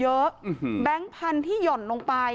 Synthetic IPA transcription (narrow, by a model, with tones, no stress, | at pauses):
jɤ˦˥ʔbɛ˦˥ŋpʰa˧nt̪ʰiː˥˩jɔ˨˩nlo˧ŋpa˧j